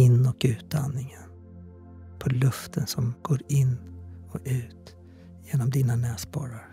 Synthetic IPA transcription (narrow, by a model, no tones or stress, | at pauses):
ɪnːɔkʉ̟ːt̪̚d̪anːɪŋən | pʰɔlɵft̪ʰənsɔmɡ̥oːɾɪnːɔkʉ̟ːt̪ | jeːnɔmd̪iːnanɛːspɑːɾaɾ